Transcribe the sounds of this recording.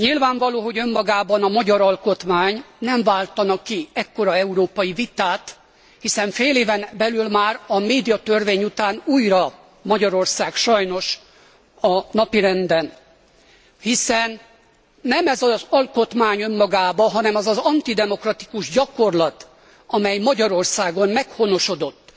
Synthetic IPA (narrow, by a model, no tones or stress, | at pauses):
ɲilvaːɱvɒloːɦo̞ɟø̞mːɒɡaːbɒnɒmɒɟɒɾɒlko̞t̪maːɲnɛɱvaːlt̪ɒnɒkiɛkːo̞ɾɒɛuɾoːpɒjivit̪aːt̪ | hisɛɱfeːleːvɛnbɛlylmaːɾɒmeːd̪ijɒt̪ø̞rveːɲut̪aːnuːjrɒ | mɒɟɒɾo̞rsaːɡʃɒjno̞ʃ | ɒnɒpiɾɛnd̪ɛn | hisɛnː | ɛmɛzɒzɒlko̞t̪maːɲømːɒɡaːbɒɦɒnɛmɒzɒzɒnt̪id̪ɛmo̞krɒt̪i̥kuʒɟɒko̞rlɒt̪ | ɒmɛjmɒɟɒɾo̞rsaːɡo̞mmɛkho̞no̞ʃo̞d̪o̞t̪ː